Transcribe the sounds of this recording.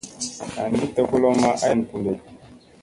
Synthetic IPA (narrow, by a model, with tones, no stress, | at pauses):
a˨n˨di˦tɛ˦ku˦lɔ˦ma˦ʔa˦˨n˨pu˨de˨